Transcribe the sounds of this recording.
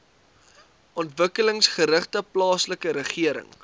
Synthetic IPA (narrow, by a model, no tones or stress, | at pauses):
ɔntvəkələŋsχəɾəχtəplɑːsləkəɾəχiəɾə̰ŋ